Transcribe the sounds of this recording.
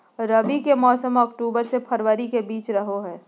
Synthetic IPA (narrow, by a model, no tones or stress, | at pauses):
ɾɐbikemɔːsəmɔːkʈuːbəɾsepʰɐɾwəɾikebiːt͡ʃɾɐɦoɦɛː